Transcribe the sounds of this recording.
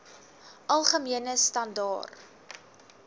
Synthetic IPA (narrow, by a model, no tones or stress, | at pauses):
ʔɐlˠχəmiənəstɐndɑ̰ːr